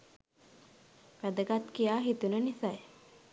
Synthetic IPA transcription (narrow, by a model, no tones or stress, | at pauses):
ʋæd̪əɡat̪kijaːɦit̪unənisaj